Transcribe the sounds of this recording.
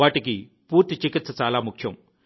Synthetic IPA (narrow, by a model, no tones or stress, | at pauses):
aːʈiki | puːɾt̪ːit͡ʃikit̪sɐt͡ʃaːlaːmukʰjɐm